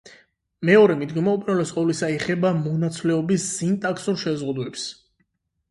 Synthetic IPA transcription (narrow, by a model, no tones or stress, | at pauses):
mɛɔɾɛmid̪ɡɔmaupʼinalɛsqʼɔvlisaɛχɛbamɔnat̪sʰvlɛɔbisːint̪ʼakʰsuɾʃɛzʁud̪wɛps